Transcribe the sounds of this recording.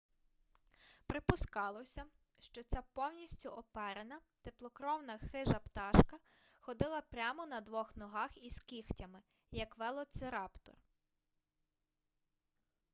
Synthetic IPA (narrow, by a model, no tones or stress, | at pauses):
pɾɪpʊskɑlˠɔsʲɐ | ʃt͡ʃɔt͡sʲapɔwnʲisʲtʲʊʔɔpɛɾenɐt̪eplˠɔkɾɔwnɐxɪʒɐpt̪ɑʃkɐ | xɔd̪ɪlˠɐpɾʲamɔnɐd̪ʋɔxnɔɦɑxiskʲixtʲɐmɪ | jɐkʋɛlˠɔt̪sɪɾɑpt̪ɔ̰r